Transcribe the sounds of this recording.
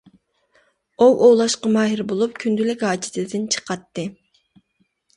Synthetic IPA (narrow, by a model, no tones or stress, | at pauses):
owʔowlˠɑʃqɑmɑːɦɪɾbolˠup̚kʲʰynd̪ylɪkʲɦɑːt͡ʃʰit̪ʰɪd̪ɪnt͡ʃʰə̥qʰɑt̪ːɨ